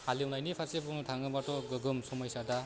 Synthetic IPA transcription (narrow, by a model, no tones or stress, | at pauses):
haliunajnipʰasebʰunɯtʰaŋɯbatɔɡɯɡɯmsɔmʌjsada